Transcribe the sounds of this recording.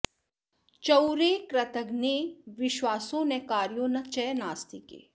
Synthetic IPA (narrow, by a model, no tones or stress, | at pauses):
t͡ʃəwɾekɾət̪əɡneʋɪʃʋaːsõnẽkaːɾjõnɐt͡ʃɛːnaːst̪ikḛː